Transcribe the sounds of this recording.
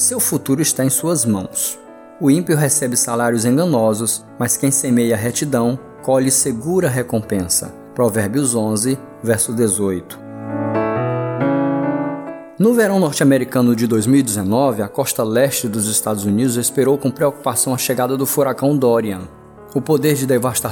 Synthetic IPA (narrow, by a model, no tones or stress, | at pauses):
sewfut̪uɾʊist̪aẽj̃suɐzmɐ̃w̃s | ʊĩpiʊɦesɛbɪsalaɾijʊzẽɡɐ̃nɔzʊs | mɐskẽj̃semejɐɦet͡ʃid̪ɐ̃w̃ | kɔʎɪseɡuɾɐɦekõpẽsɐ̰ | pɾɔvɛɾbjʊzõzɪ | vɛɾsʊzd̪ezojt̪ʊ̥ | nʊveɾɐ̃w̃nɔɾt͡ʃɪameɾikɐ̃nʊd͡ʒɪd̪ojzmiwid͡ʒ̪ɪzenɔvɪakɔst̪ɐlɛst͡ʃɪd̪ʊzɪst̪ad̪ʊzunid̪ʊzespeɾowkõpɾeoku̥pasɐ̃w̃ɐʃeɡad̪ɐd̪ʊfuɾakɐ̃w̃d̪ɔɾiɐ̃ | ʊpod̪eɾd͡ʒɪd̪evast̪a